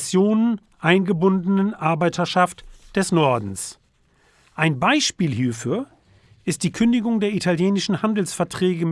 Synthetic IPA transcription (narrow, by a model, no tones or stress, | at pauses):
t͡sjoːnən | ʔaɪnɡəbʊndənənʔaɐbaɪtʰɐʃaftd̥ɛsnɔɐdn̩s | ʔaɪnbaɪʃpiːlɦiːɐfyːɐ | ʔɪst̚d̥iːkʰʏndɪɡʊŋdeːɐitʰaljeːnɪʃn̩handl̩sfɛɐtʁ̥ɛːɡəm